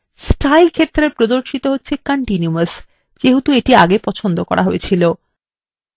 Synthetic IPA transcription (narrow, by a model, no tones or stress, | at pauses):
sʈajlkʰet̪ːɾepɾod̪oɾʃit̪oɦotːɕʰekaɳʈinuas | d͡ʑeɦut̪ueʈia̰ɡepɔt͡ɕʰond̪okɔ̰ɾʔaɦoet͡ɕʰilo